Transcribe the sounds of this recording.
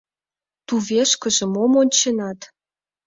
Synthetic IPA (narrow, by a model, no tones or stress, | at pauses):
t̪uveʃkə̆ʒĕmomonʲt͡ɕenɑt̪